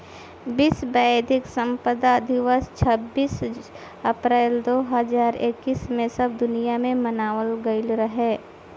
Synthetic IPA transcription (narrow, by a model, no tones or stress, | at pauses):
biːsbɛd̪ʱɪksə̃mpəd̪ad̪ʱɪʋəst͡ʃʰəbːiːs | əpɾɛːld̪oːɦəzaːɾekːiːsmẽsɐb̚d̪ʊnijamẽmənaːwəlɡəɪlɾəɦɛː